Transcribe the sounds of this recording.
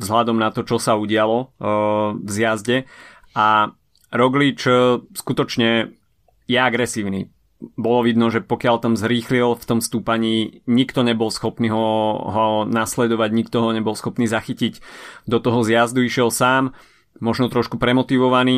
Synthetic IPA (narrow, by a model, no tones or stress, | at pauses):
zɦlad̪ɔmnat̪ɔt͡ʃɔsauɟɪalɔ | vzjazɟɛ | ʔa | ɾɔɡlit͡ʃskut̪ɔt͡ʃɲɛ | jɛaɡɾɛsiːʊnḭ | bɔlɔʋid̪nɔʒɛpɔkɪalt̪amzɾiːxlilft̪ɔmst̪uːpaɲiːɲikt̪ɔɲɛbɔlsxɔpniːɦɔɦɔnaslɛd̪ɔʋaɟɲik̚t̪ɔɦɔɲɛbɔlsxɔpniːzaxiciɟd̪ɔt̪ɔɦɔzɪazd̪uiʃɪɛlsaːm | mɔʒnɔt̪ɾɔʃkupɾɛmɔt̪iʋɔʋaniː